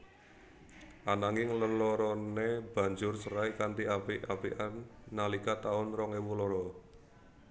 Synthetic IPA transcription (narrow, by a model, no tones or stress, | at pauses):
ʔanaŋɪŋləlɔɾɔneb̥ä̤ɲd͡ʒʊrsəɾaikant̪iapiʔapiʔanːalikat̪aʊnrɔŋewulɔɾɔ